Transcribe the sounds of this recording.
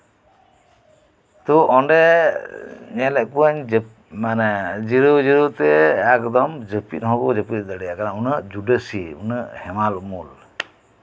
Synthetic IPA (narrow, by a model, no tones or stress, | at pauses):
t̪uʔɔɳɖɛ | ɲɛlɛʔkpuaɲ | manɛd͡ʒiɾud͡ʒiɾut̪ɛɛkd̪ɔmd͡ʒəpḭt̪̚ˀɦɔ̃ɡɔd͡ʒəpit̪̚d̪əɽɛjakanaunəʔd͡ʒuɖəsiṵnəhɛmaluʔmul